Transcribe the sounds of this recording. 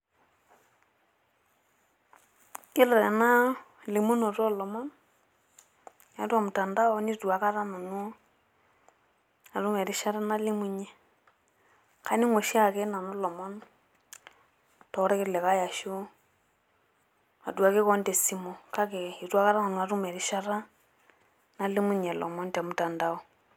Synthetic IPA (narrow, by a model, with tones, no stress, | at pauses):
ɪ˦lɔ˨ɾɛ˨na˦ | lɪ˨mu˦nɔ˨tɔ˦lɔ˨mɔ˦n | ja˨˦twa˨mu˨ta˨nda˦ɔ˦ni˦twa˨ka˦ɾa˦na˨nu˦ | a˨tu˦mɛ˨ɾɪ˦ʃa˦ɾɛ˦na˦lɪ˦mu˨ɲe˦ | kʰa˦ni˦ŋo˨ʃa˦˨kɛ˦na˨nɔ˦lɔ˨mɔ˦n | tɔ˨˦ɾɛ˦kɪ˦lɛ˨ka˦ja˨ʃo˦ | a̰˨dwa˨ke˦kɔ˦ndɛ˨si˨˦mɔ˨ka˦kɛ˨i˨twa˦ka˦ɾa˦na˨nʊ˨a˨ɾu˦mɛ˨ɾɪ˦ʃa˦ɾa˦ | na˦li˦mu˦ɲɛ˨lʔɔ̰˨mɔ˦nta˨mu˨ta˨nda˦ɔ˨